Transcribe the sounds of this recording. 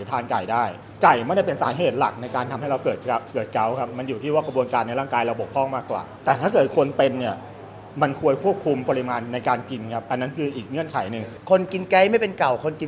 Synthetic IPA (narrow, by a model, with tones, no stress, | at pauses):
t̪ʰaː˧nka̰˨˩jdaː˥˩j | ka˨˩jma˥˩da˥˩pe˧nsaː˩˦ɦeː˨˩t̪̚la˨˩k̚na˧jkaː˧nt̪ʰmɦa˥˩ɾa˧wkɤː˨˩t̪̚a˧kɤː˨˩t̪̚ka˦˥wkʰa˦˥p̚ma˧njuː˨˩t̪ʰiː˥˩waː˥˩kɾbu˧ənkaː˧nːa˧jɾaː˥˩ŋkaː˧jɾa˧wbo˨˩kʰːɔː˥˩ŋmaː˥˩kːwa̰ː˨˩t̪ɛː˨˩t̪ʰaː˥˩kɤː˨˩t̪̚kʰo˧npe˧nːi˥˩ɐ | ma˧nkʰu˧əjkʰu˥˩p̚kʰu˧mpɔː˧ɾi˦˥maː˧nːa˧jkaː˧nki˧nkʰa˦˥p̚ʔa˧nːa˦˥nkʰɯː˧ʔiː˨˩k̚ŋɯ˥˩ənkʰa˩˦jnɯ˨ŋ | kʰo˧nki˧nkɛ˦˥jma˥˩jpe˧nka˨˩wkʰo˧nki˧